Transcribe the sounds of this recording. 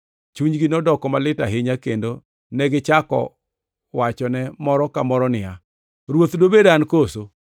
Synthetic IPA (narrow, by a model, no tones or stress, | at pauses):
t͡ʃuɲɡɪnɔdɔkɔmalɪtaɦɪɲakendo | nɛɡɪt͡ʃakɔ̰ | wat͡ʃɔnɛmɔɾɔkamɔɾɔnɪa | ɾwot̪dobedankoso